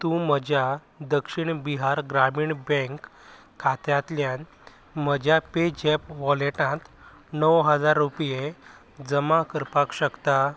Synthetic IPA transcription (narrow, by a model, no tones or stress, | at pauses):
t̪ũm̤əd͡ʑʱja | d̪əkʂiɳbiɦaɾɡɾamiːɳbɛ̃ŋkʰː | at̪jat̪ljãn | m̤əd͡ʑʱjaped͡ʑepʋɔleʈãt̪ | nəwɦəd͡zaɾːupje | d͡zəmãkəɾpakɕəkt̪a